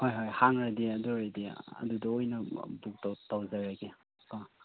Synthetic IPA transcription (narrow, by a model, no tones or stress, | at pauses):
hojɦojhaŋɾadiɐdɔɾajdiɐ̰dudɐojnɐbuk̚tatawzaɾaɡe | ka